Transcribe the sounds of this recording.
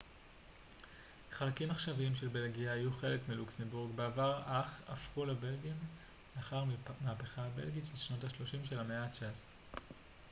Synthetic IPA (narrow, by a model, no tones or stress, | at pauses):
χalakimaχʃaviimʃe̞lbe̞lɡiaijuχelekmiluksembuʁɡbeavaʁaχa̰fχulebe̞lɡim | leaχaʁmaːpeχabe̞̰lɡitʃelʃno̞thaʃlo̞ʃimʃe̞lameat͡ʃaz